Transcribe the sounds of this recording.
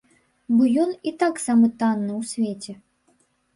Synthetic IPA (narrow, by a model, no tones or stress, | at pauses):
bɔjɔnit̪aksamɨt̪anːɨwsʲvʲet͡sʲɛ